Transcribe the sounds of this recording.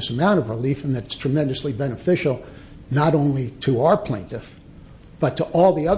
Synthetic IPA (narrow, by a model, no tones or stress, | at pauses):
ɨsəmãʊ̃ɾ̃ʌvɹəlifɨ̃nðɨɾɨtstʰɹ̥ɨmɛ̃ndɨslibɛñɨfɪʃl̩ˠ | nəɾõʊ̃nliɾəaʊə˞pʰl̥ẽɪ̃ntɨf | b̥ʌtʰəʔɔlˠðiʌð